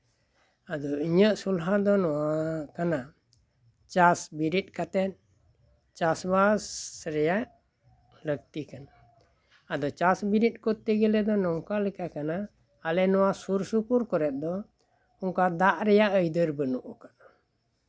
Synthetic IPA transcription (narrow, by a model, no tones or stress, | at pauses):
ad̪ɔiɲəʔsulɦad̪ɔnɔwakana | t͡ʃasbiɾit̪̚ˀkat̪ɛt̪̚ | t͡ʃasbasɾɛjaʔ | ləɡ̚t̪ikana | ad̪ɔt͡ʃasbiɾit̪̚ˀkɔt̪ːiɡɛlɛd̪ɔnɔŋkalɛkakanaː | lɛnɔwasuɾsupuɾkɔɾɛt̪̚d̪ɔ | ɔŋkad̪aʔɾɛjaʔəjd̪əɾbənuʔukaʔa